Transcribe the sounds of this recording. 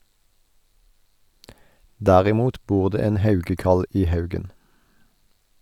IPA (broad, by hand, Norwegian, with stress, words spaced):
ˈdæːʁɪˌmuːt ˈbuːʁ ˈdeː ˈeːn ˈhɑʉɡəˌkɑl ˈiː ˈhɑʉɡən